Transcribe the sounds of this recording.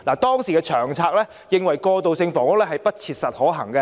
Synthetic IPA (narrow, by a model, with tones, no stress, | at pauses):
laː˨˩t̪ɔː˥ŋsiː˨˩ɛː˧t͡ʃʰœː˨˩ŋt͡sʰaː˧k̚lɛː˥ | jɪ˨ŋwɐ˨˩jkɔː˧t̪o˨wsɪ˧ŋfɔː˨˩ŋwʊ˥k̚lɛː˥hɐ˨jpɐ˥t̚t͡sʰiː˧t̚sɐ˨t̚hɔː˨˥ɦɐ˨˩ŋkɐ˧